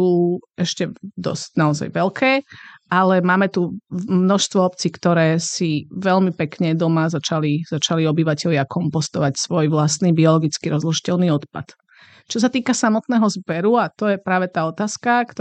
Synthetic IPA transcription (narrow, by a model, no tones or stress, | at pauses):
uːɛʃcɛd̪ɔ̰scnaɔza̰jʋɛlkʰɛːalɛmaːmɛt̪umnɔʃst̪ʋɔɔpt͡sikt̪ɔɾɛːsiʋɛʎmipɛkɲɛd̪ɔmazat͡ʃaliz̥at͡ʃaliɔbiʋacɛʎɪakɔmpɔst̪ɔʋacsʋɔjʋlast̪niːbiɔlɔɡit͡skiɾɔzlɔʃi̥cɛlniːɔt̪pa̰t̪ | t͡ʃɔs̬at̪iːkasamɔt̪nɛːɦɔzbɛɾuat̪ɔjɛpɾaːʋɛt̪aːɔt̪aːskakt̪ɔ